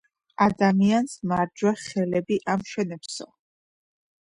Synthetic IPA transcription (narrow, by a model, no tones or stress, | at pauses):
ad̪amiansmaɾd͡ʒwɛχɛlɛbiʔamʃɛnɛpsɔ